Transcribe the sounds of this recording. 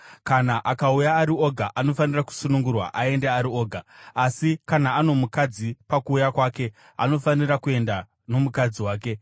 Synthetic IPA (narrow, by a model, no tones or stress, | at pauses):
kanaʔakaujaːɾio̞ɡʱaʔano̞faniraku̥sunuŋɡurwa̰ʔae̞ndeaɾio̞ːɡʱaːsikanaːno̞mukad͡zipakuːjakwaːke̞ | a̰no̞fanirakue̞nda | no̞mukad͡ziwaːk̬e̞